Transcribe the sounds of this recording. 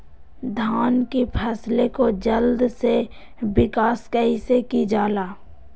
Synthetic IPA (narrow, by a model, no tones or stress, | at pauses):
d̪ʱaːnkipʰəslekod͡ʒəld̪se | bɪkaːskəɦisekid͡ʒaːlaː